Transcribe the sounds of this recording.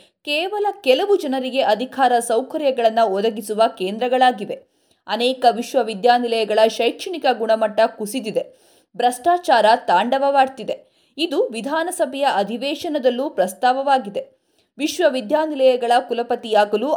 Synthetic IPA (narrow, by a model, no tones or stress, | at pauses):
kɛːʋɐlɐkɛlɐʋud͡ʒɐnɐɾiɡe̞ʔɐd̪ʱikʰaːɾɐsɐwkɐɾjɐɡɐɭɐnːɐɔd̪ɐɡisuʋɐkeːnd̪ɾɐɡɐɭaːɡiʋe̞ | ɐnɛːkɐʋiʃʋɐʋid̪jaːnilɐjɐɡɐɭɐʃɐjkʂɐɳikɐɡuɳɐmɐʈːɐkusid̪id̪e | bɾɐsʈaːt͡ʃaːɾɐt̪aːɳɖɐʋɐʋaːɾt̪id̪e̞ | id̪uʋid̪ʱaːnɐsɐbʱɛjɐʔɐd̪ʱiʋɛːʃɐnɐd̪ɐlːupɾɐst̪aːʋɐʋaːɡid̪e̞ | ʋiʃʋɐʋid̪jaːnilɐjɐɡɐɭɐkulɐpɐt̪ijaːɡɐlu